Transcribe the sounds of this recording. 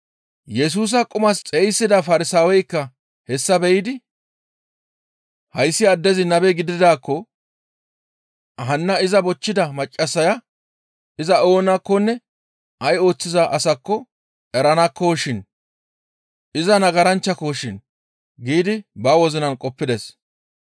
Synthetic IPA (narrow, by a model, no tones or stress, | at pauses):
jɛs̬uːs̬ɐkʼʊmɐst͡sʼejsːɪd̪ɐfɐɾɪsaːwɛjkːɐ | hɛsːɐbɛjɪd̪ɪ | hɐjsːɪɐd̪ːɛzɪnɐbɛɡɪd̪ɪd̪aːkːɔ | ɦɐnːɐɪzɐbɔt͡ʃːɪd̪ɐmɐt͡ʃʼːɐsːɐjɐ | ɪzɐo̞ːnɐkːɔnːɛ | ɐjo̞ːt͡sːɪzɐʔɐsɐkːɔ | ɛɾɐnɐkːɔʃɪn | ɪzɐnɐɡɐɾɐnt͡ʃːɐkoʃɪn | ɡiːd̪ɪbɐwɔzɪnɐnkʼɔpːɪd̪ɛs